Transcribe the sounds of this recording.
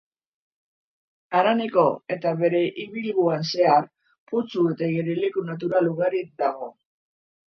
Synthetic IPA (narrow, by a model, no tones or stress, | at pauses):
aɾaneko̞e̞t̪aβe̞ɾe̞ʔiβilɣuanse̞ar | put͡suet̪aɣeɾelekunat̪̬uɾaluɣaɾid̪aɣo̞